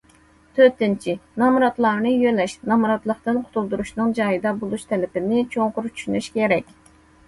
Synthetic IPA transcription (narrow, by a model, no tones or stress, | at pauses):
t̪ʰøt̪ɪnt͡ʃʰinɑmuɾɑt̪lˠɑɾnɨjølɛʃnɑmuɾɑt̪lˠəqt̪ɨnqʰʊ̥t̪ʰulˠd̪uɾuʃnɨŋd͡ʒɑːjɨd̪ɑbolˠuʃt̪ʰɛlɪpɪnɪt͡ʃʰoŋqʰʊɾt͡ʃʰy̥ʃynyʃkʲɛɾɛkʲ